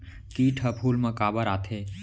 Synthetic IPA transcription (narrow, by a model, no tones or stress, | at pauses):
kiːʈʰəpʰuːlmɐ̃kaːbəɾaːt̪ʰeː